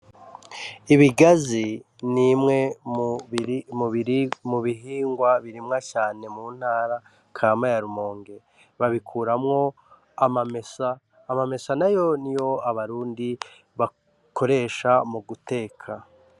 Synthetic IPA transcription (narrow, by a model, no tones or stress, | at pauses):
iβiɡazi | nimŋe̞ | mumuβiɦiːŋɡwaβiɾimŋacaːne̞muːn̥haːɾa | kʰaːmajaɾumo̞ːŋɡe̞ | βaβikʰuːɾamŋo̞ | amamesaː | mame̞sanajo̞nijo̞aβaɾuːndi | βa | kʰo̞ɾe̞ːʃamuɡute̞ːkʰa